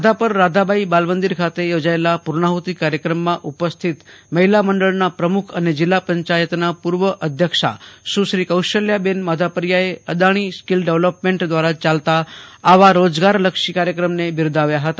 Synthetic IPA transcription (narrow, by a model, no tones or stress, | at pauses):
məd̪ʱapəɾːad̪ʱabʱaibalʋənd̪iɾkʰat̪ejod͡ʒaelapuɾɳaɦut̪ikaɾjəkɾəmːãʔupəst̪ʰit̪məɦilaməɳɖəɭnapɾəmukʰəned͡ʒɪlːapəɲt͡ʃajət̪napuɾʋəʔəd̪ʱjəkʂa̰ʃũʃɾikəwʃəljabenmad̪ʱapəɾjaeəd̪aɽ̃iskilɖeʋlopmẽɳʈd̪ʋaɾat͡ʃalt̪aːʋaɾod͡ʒɡaɾləkʂikaɾjəkɾəmnebɪɾd̪aʋjaɦət̪a